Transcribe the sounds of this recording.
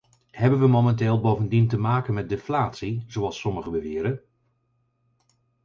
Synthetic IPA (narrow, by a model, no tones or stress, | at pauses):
ɦɛbənʋəmomɛntɪːlˠbowvəndintəmaːkənmɛt̚dɪflaːtsizowɑlˠsɔməχəbəʋɪːɾən